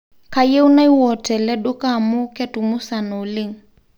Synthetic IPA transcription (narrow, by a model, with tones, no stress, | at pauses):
ka˨je˦u˦na˦i˦wɔ˨tɛ˨lɛ˦ɗo˦ka˦˨mʊ˦kɛ˦tu˨mʊ˦sa˨nɔ˨lɪ˦˨ŋ